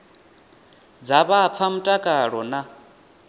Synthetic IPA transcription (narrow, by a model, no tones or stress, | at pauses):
d͡zaβap̪fʰam̩tʼakʼaɺɔna